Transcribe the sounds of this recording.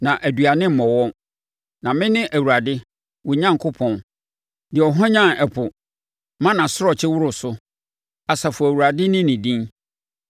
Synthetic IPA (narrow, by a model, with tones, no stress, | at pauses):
nã˨ʔæ˨dɥa˨nɪ̃˦m̩˦mɔ̃˨wɔ̃˦ | nã˨mɪ̃˦nɪ̃˦ʔæ˨wu˨ɾa˨dɪ˦ | wʊ˨ɲã˦ŋkʰʊ˦pʰɔ̃˨n | dɪ˨ɔ˨ɦɔ̃˦ɲã˦˨nɛ˨pʰʊ˨ | mã˦nã˨sʊ˦ɾɔ˨t͡ɕʰɪ˦wʊ˦ɾʊ˨sʊ˦ | a˨sa˨fɔ˨æ˨wu˨ɾa˨dɪ˦nɪ̃˦nɪ̃˨dĩ˦n